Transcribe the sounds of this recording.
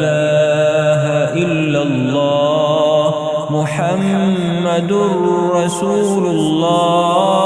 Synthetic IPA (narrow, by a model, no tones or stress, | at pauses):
laːɦaʔɪlːalːɑː | mʊħamː | ad̪ɾˤɑsuːlʊlˤːɑː